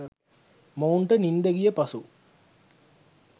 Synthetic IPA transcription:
mɐwɳʈənind̪əɡijəpɐsu

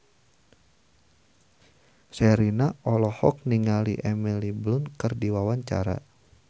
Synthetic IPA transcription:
sɛɾinaʔɔlɔhɔk̚niŋaliʔɛmiliblʊnkɨrdiwawaɲt͡ʃa̰ɾa̰

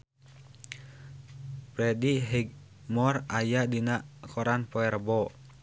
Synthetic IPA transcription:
pɾɛdiɦiɡ̚ | mɔrajadinaʔkʰɔɾanpɔɛrbɔ

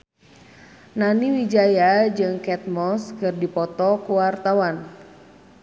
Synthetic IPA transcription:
naniwid͡ʒajad͡ʒɨŋkɛt̪̚mɔskɨrdipɔt̪ɔkuwart̪awan

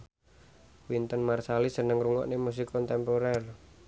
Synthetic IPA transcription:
wint̪ɔnmarsalisənəŋruŋɔ̰ʔnemus̬ikɔnt̪ɛmpoɾɛr

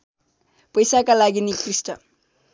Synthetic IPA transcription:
pʌjsakalaɡinikrisʈʌ

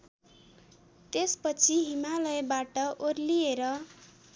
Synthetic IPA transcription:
t̪espʌt͡sʰiɦimalʌjbaʈʌʔorlieɾʌ

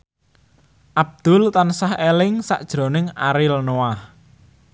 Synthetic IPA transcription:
ʔab̚d̪̥ʊlt̪ansahelɪŋsa̰ʔd̥ʒ̥ɾo̤nɪŋa̰ɾɪlnowah

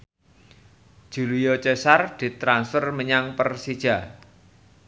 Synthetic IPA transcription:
d̥ʒ̥ṳlujɔt͡ʃesard̪̥i̤t̪ɾansfərməɲaŋpərsid̥ʒ̥a̤

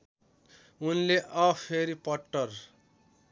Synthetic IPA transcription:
unleʔʌpʰeɾipʌʈːʌr

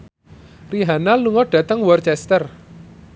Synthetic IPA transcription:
riɦanaluŋɔɖ̥ä̤t̪əŋwɔrt͡ʃɛst̪ər

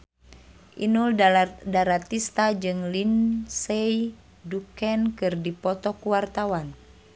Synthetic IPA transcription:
ʔinuldaɾat̪ist̪ad͡ʒɨŋlinsɛj | dukɛnkɨrdipɔt̪ɔkuwart̪awan

